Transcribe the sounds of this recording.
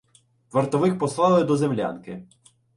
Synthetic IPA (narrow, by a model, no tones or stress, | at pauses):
ʋɐrt̪ɔʋɪxpɔslˠɑlˠɪd̪ɔzemlʲa̰nkɪ